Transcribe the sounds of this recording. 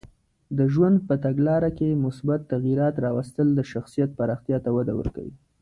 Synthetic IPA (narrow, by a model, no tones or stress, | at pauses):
d̪əʒwand̪̚pət̪aɡlɑɾakemʊsbat̪ːaɣiɾɑt̪ɾɑwast̪əld̪əʃaxsijat̪̚paɾɑxt̪jɑt̪awad̪a̰wə̰ɾka̰wḭ